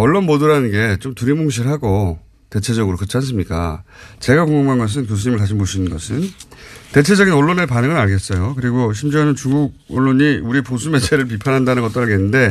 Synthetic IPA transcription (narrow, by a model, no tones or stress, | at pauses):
ʌɭːonmodɯɾanɯnɡe̞t͡ɕomtuɾimoŋɕ̬ʰiɾɭɦaɡo | te̞t͡ɕʰe̞d͡ʑʌɡɯɾokɯt͡ɕʰans͈ɯmɲik͈a̰t͡ɕe̞ɡakoŋɡomɡaŋɡʌs̬ʰɯnk̬jos̬ʰuɲimɯɭtaɕ̬ʰimoɕʰinɯnɡʌsʰɯnte̞t͡ɕʰe̞d͡ʑʌɡinʌɭːonepanɯŋɯnaɭɡe̞s͈ʌjokɯɾiɡoɕ̬ʰimd͡ʑuanɯnt͡ɕuŋɡuɡ̚ʌɭːoɲiuɾiposʰume̞t͡ɕʰe̞ɾɯɭp̬ipʰanɦandanɯnɡʌt͈oaɭɡenːɯnde̞